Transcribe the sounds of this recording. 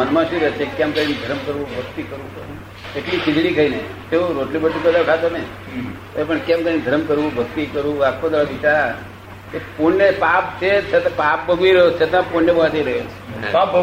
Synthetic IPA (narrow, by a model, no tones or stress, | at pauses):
ənmãʃũɾet͡ʃʰekjãmkəɾineɡ̪ʱəɾmkəɾʋũbʱək̚t̪ikəɾũkəũ | eʈlisid̪ʱɽikʰəinet̪eũɾoʈlibəʈ̪ːũkəd̪akʰat̪one | t̪oepəɳkjɛ̃mkəɾind̪ʱəɾəmkəɾʋũbʱəkt̪ikəɾʋũakpəd̪əɭaʋit͡ʃaɾa | kepoɳːepap̚t͡ʃʰet͡ʃʰət̪ãpap̚bəɡʋiɾəɦot͡ʃʰət̪ãpoɳːebəʋãt̪ʰiɾəɦo | papb